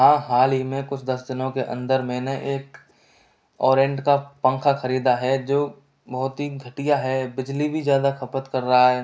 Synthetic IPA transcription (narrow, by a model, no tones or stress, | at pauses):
ɦãːɦaːlimẽkʊt͡ʃʰd̪ɐsd̪ɪnõkeʔɐ̰̃nd̪əɾmẽnɐʔeːk | ɔːɾẽːɳʈkapɐ̃ŋkʰaxɐɾiːd̪aɦɛd͡ʒoː | bɔɦʊt̪ɦiɡʱɐʈijaɦɛbɪd͡ʒlibʱizjaːd̪akɐpət̪kɐɾːɐɦaɦɛː